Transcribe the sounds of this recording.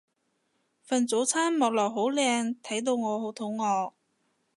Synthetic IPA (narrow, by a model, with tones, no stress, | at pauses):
fɐ˨nt͡so˨˥wt͡sʰaː˥nmɔː˨k̚lɔː˨˩k̚ɦo˨˥wlɛː˧ŋt̪ʰɐ˨˥jt̪̬o˧wŋɔː˨˧ho˨˥wt̪ʰʊ˨˥ŋŋɔː˨˧k̚